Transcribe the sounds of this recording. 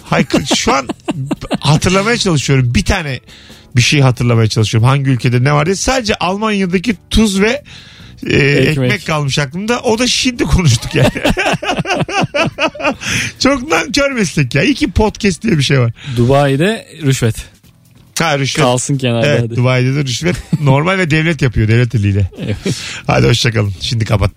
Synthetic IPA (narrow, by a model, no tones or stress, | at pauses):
hajkʰʃuan | hat̪ʰɯɾlˠamajat͡ʃʰalˠɯʃɯjo̞ɾumbit̪ʰaːnɛ | biʃejɦat̪ʰɯɾlˠamajat͡ʃʰalˠɯʃɯjoumɦaɲɟiylʲcʰe̞d̪ɛnɛvaɾd̪isaːd̪ed͡ʒɛʔalˠmanjad̪ac̬it̪ʰuzvɛ | ɛcmɛcʲkʰalˠmɯʃaklˠɯmd̪aʔo̞d̪aʃind̪ikʰo̞nuʃ̬t̪ʰukjan | t͡ʃʰo̞knancøɾmɛslʲɛc̪̚ːaːilʲcipʰo̞t̪cɛst̪d̪ijɛbiʃejvaɾd̪ubaːid̪ɛɾyʃvɛt̪ | haɾyʃvɛalˠsɯncʰɛnaevɛt̪̚d̪uβaːjid̪ɛd̪ɛɾyʃvɛt̪no̞ɾmalʲvɛd̪ɛvlʲɛt̪japɯjo̞d̪ɛvlʲɛt̪ʰelʲːiːlʲɛ | ha̰jd̪iho̞ʃt͡ʃʰakalˠɯmʃind̪ikʰapat̪̚ː